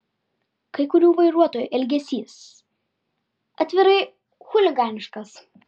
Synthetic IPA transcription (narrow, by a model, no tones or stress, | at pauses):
kɐɪkʊɾʲuːʋɐɪɾuɔt̪oːjṵˑːʔɛlʲɡʲɛsʲiːs | ɐt̪ʲʋʲɪɾɐɪ | xʊlʲɪɡɑːnʲɪʃkɐs